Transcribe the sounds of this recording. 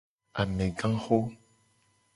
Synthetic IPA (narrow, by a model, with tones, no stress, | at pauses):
a˨mɛ˨ɡã˦xo˦